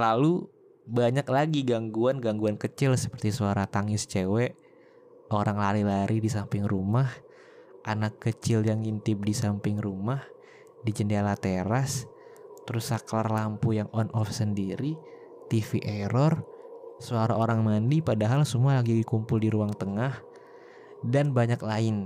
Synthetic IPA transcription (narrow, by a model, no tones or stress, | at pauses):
lalu | baɲaklaɡiɡaŋɡuanɡaŋɡuankət͡ʃɪlsə̥pərt̪isuaɾat̪aŋɪst͡ʃəwɛʔ | oɾaŋlaɾilaɾʔidisampɪŋrumah | ʔanakːət͡ʃɪljaŋint̪ɪb̚disampɪŋrumah | did͡ʒəndalat̪eɾast̪əɾʊsaklarlampujaŋɔnʔɔfsəndiɾi | t̪ifiʔɛɾɔr | suaɾaoɾaŋmandipadaɦalsumualaɡiɡikumpʊldiɾuaŋt̪əŋah | danbaɲaklaɪn